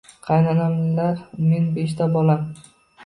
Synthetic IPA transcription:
qʰɑjnanamlɪlaɾme̞nbeʃt̪ʰabɒlam

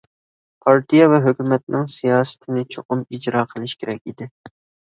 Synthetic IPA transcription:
pʰɑɾt̪ʰijɛvɛɦøkʲymɛt̪̚nɪŋsijɑːsɨ̥t̪ʰɪnɪt͡ʃʰoqʊmid͡ʒɾɑːqʰəlˠɪʃkʲʰeɾɛkʲid̪ɪ

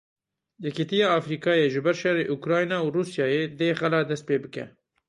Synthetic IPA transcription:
jɛkit̪ijɑːfɾiːkɑːjeːʒɨbɛɾʃɛreːʔukɾɑːjnɑːwruːsjɑːjeːd̪eːxɛlɑːd̪ɛst̪̚peːbɨkɛ̰

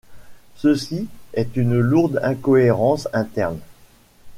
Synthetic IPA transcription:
səsiɛt̪ynluʁd̪ɛ̃kɔeʁɑ̃sɛ̃t̪ɛʁn

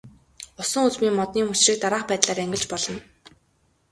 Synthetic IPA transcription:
ʊsə̆ŋut͡smiːŋmɔt̪niːmut͡ɕrĭk̚t̪aɾaːχpæːt̪ɮaːɾæŋɡʲɪ̆ɮt͡ɕpɔɮɞ̆n

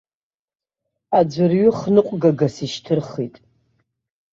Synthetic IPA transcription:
ad͡ʒʷɨrɥʊχnɨqʷʼɡaɡasiʃtʰɨrχitʼ

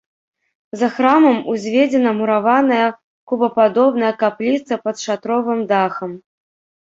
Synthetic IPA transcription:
zɐxɾamɐmuzʲvʲed͡zʲɛnɐmuɾavanɐjɐ | kubɐpad̪ɔbnɐjɐkaplʲit̪sɐpɐt̪ʂat̪ɾɔvɨmd̪axɐm

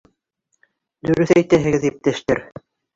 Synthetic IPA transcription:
d̪ɵ̆ɾɵθæjt̪æɦɘ̆ɡɘðip̚t̪æʃt̪ɘɾ

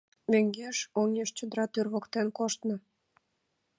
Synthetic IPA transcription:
møŋɡeʃoneʃt͡ɕə̆d̪əɾɑt̪ørβokt̪enkoʃt̪nɤ̆

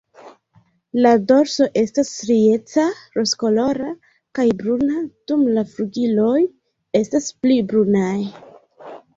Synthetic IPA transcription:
lado̞ɾso̞ʔe̞stasɾie̞t͡saɾo̞sko̞lo̞ɾa | kajbɾunad̥umlafɾuɡilo̞j | e̞stasplibɾunaj

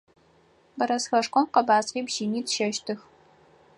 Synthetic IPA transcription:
bɐɾɐsxɐʂkʷʰɔmqɐbaːzqiːbʒiːniːtʃɐʃtʰɨx

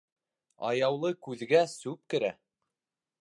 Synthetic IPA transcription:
ɑ̰jɑwlˠɤkʉðɡæsʉp̚kɘ̆ɾæ

